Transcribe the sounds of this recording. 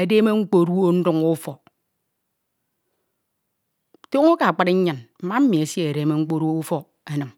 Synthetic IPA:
e˨de˦me˦ŋ͡m̩˦k͡po˦ɾu˦o˦n̩˦du˦ŋu˦fɔ˨ | to˦ŋo˦ka˨a˨k͡pa˦di˦ɲ˦ɲa˨nm̩˦ma˦m̩˦mi˨e˨sje˦˨e˨ɾe˨˦me˦ŋ͡m̩˦k͡po˦ɾu˦o˦u˦fo˨ | e˨nɨ˨m

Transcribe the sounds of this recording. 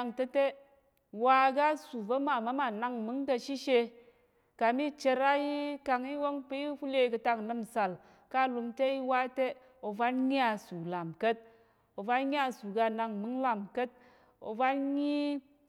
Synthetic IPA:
a˧ŋte˦te˦ | wa˧ɡa˦su˨va˦ma˨ma˦ma˨na˧ŋmɨ˨˦ŋka˧ʃi˦ʃe˧ | ka˨mi˦t͡ʃe˧ɾa˦ji˦ka˧ŋi˦wo˦ŋpi˦i˦ɸu˦le˧kɨ˧ta˧ŋ˨nɨ˧m˨sa˨l | ka˦˨lu˧mte˦i˦wa˦te˦ | o˨va˦nɲi˦a˧su˨la˨mkə˦t̚ | o˨va˦nɲʲ˦a˦˧su˨ɡa˧na˧ŋmɨ˨˦ŋla˨mkə˦t̚ | o̰˨va˦nɲi˦

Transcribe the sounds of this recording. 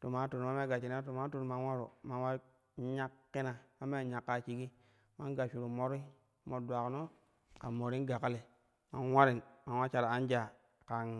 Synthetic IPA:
to˨ma˦tu˨ɾma˦me˦ɡa˨t͡ʃi˨n˦to˨ma˦tu˨ɾma˦nwa˦ɾṵ˨ma˨nwa˦ | ɲa˦kːi˦na˨ma˦me˦˨ɲa˨kːa˦t͡ʃi˦ɡi˦ | ma˦nɡa˨t͡ʃu˨ɾu˨mo˦ɾi˦ | mo˨dʷa˨kno˦ | ka˨mo˨ɾi˦n˦ɡa˨ka˦le˨ | ma˦nwa˦ɾi˨nma˨nwa˦t͡ʃa˨ɾa˨a˦nd͡ʒa˨ | ka˨n

